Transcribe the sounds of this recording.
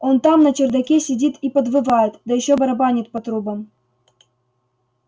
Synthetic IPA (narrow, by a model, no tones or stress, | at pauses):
ont̪ɑmnat͡ɕerd̪ɑkʲesʲidʲit̪ipə̆d̪vɨvɑjət̪d̪ɑjɪɕːobəɾabɑnʲit̪̚pət̪ɾubə̆m